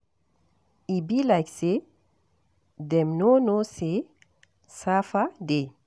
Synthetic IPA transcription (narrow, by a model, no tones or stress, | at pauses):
ibilajkse | dɛ̃mnonose | safade